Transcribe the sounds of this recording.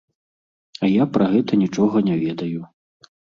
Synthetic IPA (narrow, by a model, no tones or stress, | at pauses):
ɐjapɾɐɣɛt̪ɐnʲit͡ʂɔɣɐnʲɛvʲɛd̪ɐju